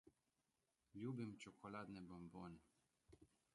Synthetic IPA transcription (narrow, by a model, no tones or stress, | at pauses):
lʲjuːbimt͡ʃɔkɔlaːd̪nɛbɔmboːnɛ